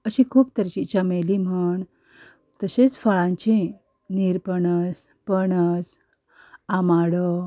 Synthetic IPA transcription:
əɕĩkʰuːpt̪əɾt͡ɕit͡ɕamelim̤əɳ | t̪əɕet͡sfəɭãɲt͡ɕĩ | niɾpəɳəs | pəɳət͡s | amaɽə

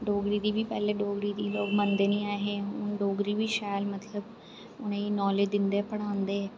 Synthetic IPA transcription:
ɖoːɡɾiːd̪iːbiːpɛːleːɖoːɡɾiːd̪iːloːɡmənd̪eːnĩːaːɦeːɦʊnɖoːɡɾiːʋiːʃɛːlmət̪ʰləb | ʊnẽːiːnɔːled͡ʒd̪ɪnd̪eːpəɽãːnd̪eːɛː

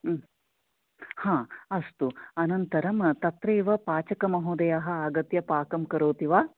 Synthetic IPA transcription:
hãːɐst̪uɐnɐnt̪ɐɾɐmt̪ɐt̪ɾeːʋɐpaːt͡ʃɐkɐmɐɦoːd̪ɐjaːɦɐ̆aːɡɐt̪jɐpaːkɐmkɐɾoːt̪iʋaː

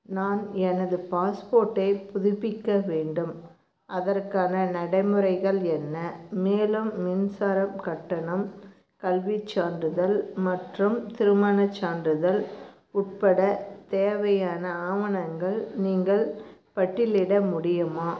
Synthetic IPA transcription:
naːnɛnɐðɯpaːspoːɾʈːɐɪpʊðɪpːɪkːɐʋeːɳɖɯm | ʔɐðɐrkaːnɐnɐɽɐɪmɯɾɐɪɣɐɭɛnːɐmeːlɯmːɪnsaːɾɐmkɐʈːɐɳɐm | kɐlʋɪt͡ʃːaːndrɯðɐlmɐʈrɯmt̪ɪɾɯmaːnɐt͡ʃːaːndrɯðɐl | ʊʈ̚pɐɽɐt̪eːʋɐjaːnɐaːʋɐnɐŋɡɐɭniːŋɡɐɭpɐʈːɪlɪɽɐmʊɽɪjɯmaː

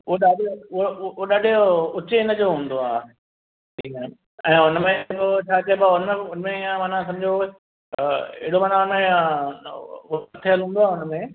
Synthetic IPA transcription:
uoɗaːɗooɗaːɗʊt͡ɕeɪnə̆d͡ʑoɦũːn̆d̪oaː | iːne | ɛ̰̃ːʊnəmẽkot͡ɕʰaːt͡ɕɐebaʊnəʊnəmẽijãmaːnãs̬ɐ̃md͡ʑo | ḛɦɪɽomaːnaʊnmẽã | ɐt̪ʰeəlɦũːnd̪oaːʊnəmẽ

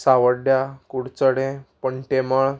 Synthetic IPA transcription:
saʋəɽɖjakuɽt͡səɽẽpəɳt̪eməɭ

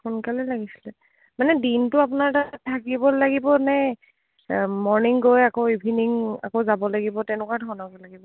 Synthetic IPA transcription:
xʊnkalɛlaɡisi̥lɛ | manɛdintʊapʊnaɹtatʰːakibɔlaɡibɔnɛ | mɔɹniŋɡojakoibʱiniŋa̰kozabɔlaɡibɔtɛnʊkaɹdʱɔɹnɔkɛlaɡibɔ

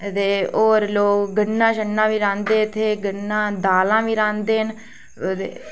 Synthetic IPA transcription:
t̪eːoːɾloːkɡəɳːãːʃənːãːʋiːɾãːnd̪eːt̪ʰeːɡənːãːd̪aːlãːʋiːɾãːnd̪eːn | eː

